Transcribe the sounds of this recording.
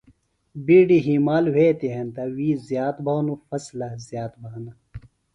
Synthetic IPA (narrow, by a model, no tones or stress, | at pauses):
biːɖiɦiːmaːlwet̪eɦɐnt̪ɐwiːzjaːt̪bʱaːnufɐslɐzjaːt̪bʱaːnɐ